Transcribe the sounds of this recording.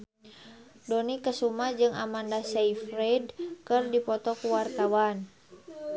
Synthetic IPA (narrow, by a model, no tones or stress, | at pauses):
dɔnikəsumad͡ʒɨŋamandasɛifrɛdkərdipɔt̪ɔkuwart̪awan